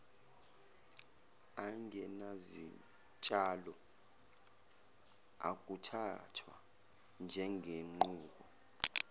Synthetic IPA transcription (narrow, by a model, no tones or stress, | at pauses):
aŋɛnazi | t͡ʃʼalɔ | a̰k̬ʼutʰatʰwa̰ | nd͡ʒʱɛŋʱeŋ͡ǃuːk̬ɔ